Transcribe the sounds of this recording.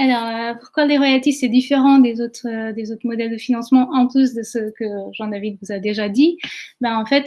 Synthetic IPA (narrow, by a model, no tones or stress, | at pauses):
alɔʁøpuʁ̥kwaleʁɔjat̪ifsɛd̪ifeʁɑ̃d̪ezot̪χød̪ezot̪χmɔd̪ɛld̪əfinɑ̃smɑ̃ʔɑ̃plys̬d̪əsəkəʒɑ̃d̪avid̪vuzad̪eʒad̪ibaɑ̃fɛt̪